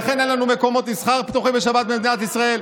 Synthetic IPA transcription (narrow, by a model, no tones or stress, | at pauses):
χenjenlanumeko̞mo̞t̪misχaʁpt̪uχimbeʃabat̪̚bemd̪inat̪isʁae̞l